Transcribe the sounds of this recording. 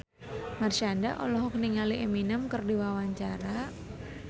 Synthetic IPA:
marʃanda̰ʔɔ̰lɔɦɔk̚niŋaliʔeminəmkərdiwawaɲt͡ʃaɾa

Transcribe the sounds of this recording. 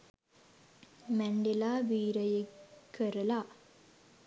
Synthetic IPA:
mæɳɖelaːʋiːɾəjekːəɾəla

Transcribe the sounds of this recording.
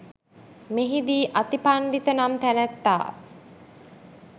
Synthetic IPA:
meɦid̪iːʔat̪ipaɳɖit̪ənamt̪ænæt̪ːa̰ː

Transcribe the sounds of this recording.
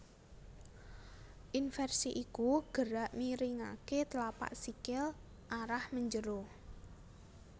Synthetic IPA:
ʔinfɛrsiʔikuɡ̥əɾaʔmiɾiŋaket̪lapa̰ʔsikɪl | ʔaɾahməɲd͡ʒəɾo

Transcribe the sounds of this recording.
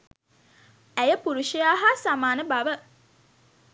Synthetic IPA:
æjəpuɾuʃijaːɦasamaːnəbaʋə

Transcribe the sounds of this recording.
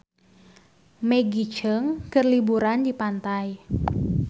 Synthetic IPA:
meɡit͡ʃəŋkərlibuɾandipant̪aj

